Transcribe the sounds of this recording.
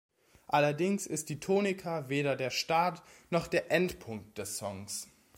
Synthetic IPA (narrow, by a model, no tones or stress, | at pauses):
ʔalɐdɪŋsɪst̚d̥iːtʰoːnɪkʰaveːɾɐdeːɐʃtaːtnɔχd̥eːɐʔɛntpʰʊŋk̚t̚d̥ɛsːɔŋs